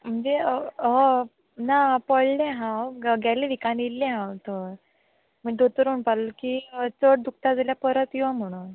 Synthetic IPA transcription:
m̤əɳd͡zeɦo | napəɭlẽɦãwɡaleʋikanilːẽɦãwt̪ə | m̤iɖ̪ot̪əɾuɳpallokit͡səɽd̪uk̚t̪ad͡zəljapəɾət̪jãm̤əɽ̃un

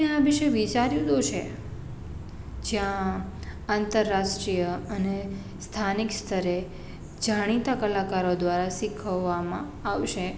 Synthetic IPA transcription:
eaʋiʃəjʋit͡ʃaɾjud̪ot͡ʃʰe | d͡ʒjã | ant̪əɾːaʃʈɾijəəne | st̪ʰanikst̪ʰəɾe | d͡ʒaɽ̃it̪akəlakaɾod̪ʋaɾasikʰəʋːamã | aʋʃe

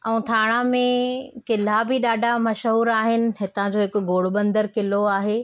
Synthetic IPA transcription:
ɛ̃ũt̪ʰaːɽ̃amẽkɪl̤abʱɪɗaːɖʱamɐʃɦuːɾaːɦɪnɪ̆ɦɪt̪ãd͡ʑoːɦɪkʊɡoːɽɓə̃nd̪əɾkɪloaːɦeː

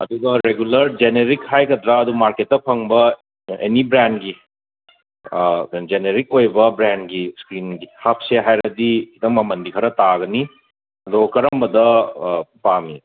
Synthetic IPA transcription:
ɐ̰d̪uɡɐɾeɡulɐɾd͡ʒeneɾikhajɡɐdɾɐːdumaɾket̚ːɐpʰɐŋbɐ | ḛnibɾenɡi | d͡ʒeneɾikojbɐbɾendɡiskɾinɡihap̚seɦajɾɐdikʰidɐŋmɐmɐndikʰɐɾɐtaɡɐni | ɐdokɐɾɐmbɐdɐ | pami

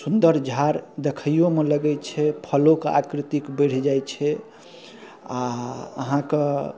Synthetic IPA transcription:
sund̪əɾd͡ʒʱaɾd̪ekʰəjomeləɡɛt͡ʃʰɛpʰəloka̰kɾit̪ikbəɽ̤d͡ʒajt͡ʃʰɛ | aəɦãke

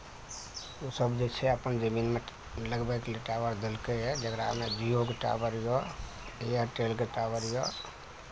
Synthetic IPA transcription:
osəbd͡ʒet͡ʃʰɛəpənd͡ʒəminme | ləɡbakleʈabəɾd̪elkeɛd͡ʒəɡɾamed͡ʒiokeʈa̰bəɾjɔ | ejəʈelkeʈabəɾjɔ

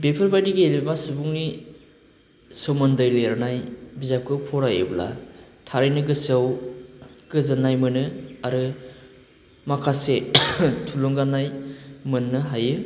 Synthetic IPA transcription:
bepʰɯɾbajdiɡelibasɯbuŋni | sɯwmɯndɯjleɾanajbizap̚kʰɯpʰɔɾajḛbla̰ | tʰaɾɯjnɯɡɯsɯw | ɡ̥ɯzɯnajmɯnɯaɾɯ | makʰasetʰulɔŋɡanːajmɯnːɯɦajɯ

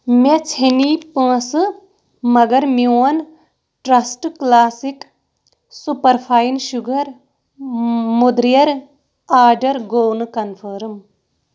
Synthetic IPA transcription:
met͡ʃʰinipɐ̃ːsɨ | mɐɡɐɾmiɐn | ʈɾɐsʈklaːsik | supɐɾpʰaːinʃuɡɐɾ | mud̪ɾijɐɾ | aːɾɖɐɾɡoːwnɨkɐnpʰɐɾɨm

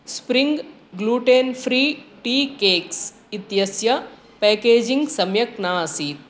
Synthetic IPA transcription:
spɾiŋɡ | ɡluːʈeːnfʰɾiːʈiːkeːks | it̪jɐsjɐ | pɛːkeːd͡ʒiŋɡsɐmjɐknaːsiːt̪̚

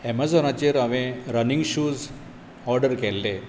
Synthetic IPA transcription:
ɛmazɔnat͡ɕeɾaʋẽɾəniŋɡɕuːz | ɔɾɖəɾkɛlːe

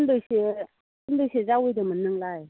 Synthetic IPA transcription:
ndɯjse | kɯndɯjsezawɯjdɯmənːɯŋlaj

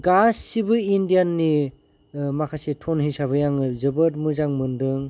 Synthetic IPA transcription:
ɡasːibɯindijanːi | makʰasetʰɔnɦisaβɯjaŋzɯbɯt̚mɯzaŋmɯndɯŋ

